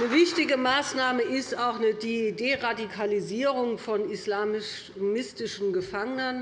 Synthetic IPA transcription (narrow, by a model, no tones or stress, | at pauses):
nəvɪçtɪɡəmaːsnaːməʔɪstaʊxnədideʁadikʰaliziːʁʊŋfɔnislaːmɪ | mɪstɪʃn̩ɡəfaŋənən